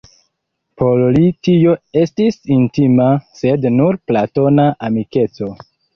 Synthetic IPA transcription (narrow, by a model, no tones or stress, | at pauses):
pʰollitijo̞e̞stisintimase̞dnuɾplato̞naʔamike̞t͡so̞